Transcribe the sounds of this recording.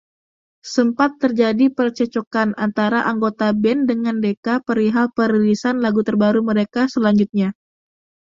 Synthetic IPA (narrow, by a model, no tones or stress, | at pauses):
səmpat̪ːərd͡ʒadipərt͡ʃət͡ʃokanant̪aɾaʔaŋɡot̪abɛndəŋandekapəɾiɦalpəɾilisanlaɡut̪ərbaɾuməɾekasəlaɲd͡ʒut̪̚ɲa